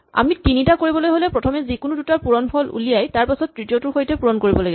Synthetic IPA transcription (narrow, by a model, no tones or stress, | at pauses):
a̰mitinitakoɹibɔlojɦolɛpɹɔtʰɔmɛzikʊnudutaɹpuɹɔnpʰɔlṵlijajtaɹpasɔtːɹitijotʊɹxojtɛpuɹɔnkoɹibɔlaɡib